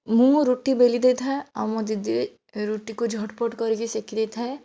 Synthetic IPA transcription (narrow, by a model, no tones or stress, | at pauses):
mũɾoːʈibeːlid̪eːt̪ɦɛɔmɔ̃d̪ɪd̪i | ɾuːʈːikod͡ʒʱɔʈpɔʈkɔɾɡesekʰid̪eːt̪ʰɦɛː